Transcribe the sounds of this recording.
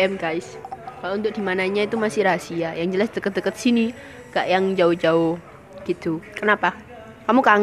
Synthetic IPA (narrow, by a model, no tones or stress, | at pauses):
ɛmɡaɪskalunt̪ʊk̚dimanaɲait̪umasɪhɾasiajaŋd͡ʒəlasdəkət̪̚dəkət̪̚sini | ɡ̥aʔjaŋd͡ʒaʊd͡ʒaʊ | ɡ̥it̪ukənapa | kamukaŋ